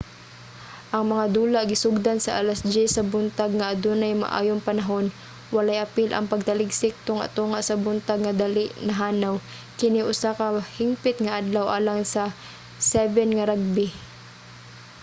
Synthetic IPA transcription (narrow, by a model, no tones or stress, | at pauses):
ʔɐŋmɐŋad̪uːlaʔɡɪsʊɡ̚d̪ansɐʔalasd͡ʒɪsɐbʊnt̪aɡ̚ŋɐʔɐd̪ʊnɐjma̰ʔa̰ːjoŋpɐnɐɦon | wɐlajʔɐpɪlʔɐ̰ŋpɐɡ̚t̪ɐlɪɡsɪk̚t̪oŋɐ̰t̪uːŋaʔsɐbʊnt̪aɡ̚ŋɐd̪alɪʔnɐɦaːnaw | kɪnɪʔʊsakɐhɪŋpɪt̪ŋɐʔad̪lawʔaːlaŋsɐ | sɛvɛnŋɐɾaɡ̚bɪ